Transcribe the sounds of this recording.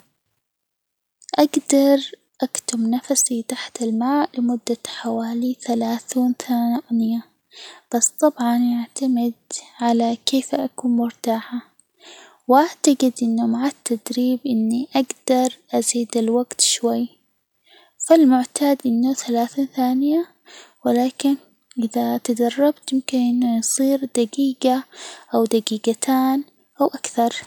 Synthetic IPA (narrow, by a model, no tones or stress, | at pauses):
ʔaɡd̪ɑɾˤ | ʔakt̪ʊmnafsit̪aħt̪ɪlmaːʔlɪmʊd̪ːaħawaːliθalaːθiːnθaːnɪja | b̥asːt̪ˤːɑbʕɑnʔaʕt̪amɪd̪ʕalakeːfʔakuːnmʊɾt̪aːħa | wʔaʕt̪aɡɪd̪ʔɪnːumaʕat̪ːad̪ɾiːbʔɪnːiʔaɡd̪ɑɾˤʔaziːd̪alwaɡt̪ʃwajː | falmʊʕt̪aːd̪ʔɪnːaθalaːθinθaːnɪja | wɪlaːkɪn | ʔɪðat̪ad̪ɑrˤːɑbt̪jɪmkɪnʔɪnːajsˤiːɾd̪aɡiːɡaʔawd̪aɡiːɡat̪ʰaːn | ʔawʔakθɑɾˤ